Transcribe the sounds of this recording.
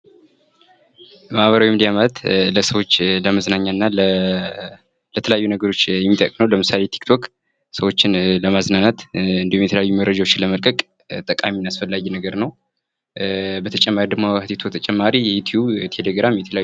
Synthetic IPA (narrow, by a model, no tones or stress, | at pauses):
mahβəɾawimnd̪ijamalt̪ləsəwo̞t͡ʃːləməznaɲːaɨnːal | lət̪ʰələjajːunəɡəɾo̞t͡ʃːjɛmːit̪ʼə̰kʼnəwləmɨsalet̪ʰi̥kt̪ʰo̞k | səwo̞t͡ʃːɪnləmaznanat̪ɨnd̪ihumjɛt̪ʰəjajːuməwɾəd͡ʒawot͡ʃːɪləməlkʼəkʼ | t̪ʼəkʼaminasfəlːajːɛnəɡəɾnəw | bət̪ʰət͡ʃʼɛmːaɾid̪ɨmoht̪ʰit̪ʰot̪ʰət͡ʃʼɛmːaɾijɛjut̪ʰjubt̪ʰe̞leɡɾamjɛt̪ʰələja